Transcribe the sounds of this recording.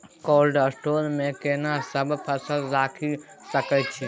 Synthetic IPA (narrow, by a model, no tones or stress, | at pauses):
kolɖəsʈolmekenasəbpʰəsəlɾakʰi | səkət͡ʃʰi